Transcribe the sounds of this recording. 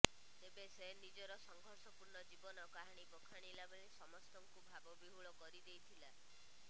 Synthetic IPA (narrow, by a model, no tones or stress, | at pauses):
t̪ebeseɦnid͡ʒɔɾɔsɔŋɡʱɔɾsɔpuɾɳɔd͡ʒibɔnɔkaɦaɽ̃ibɔkʰaɽ̃ilabeɭisɔmɔst̪ɔŋkubʱabɔbiɦuɭɔkɔɾid̪ejt̪ʰila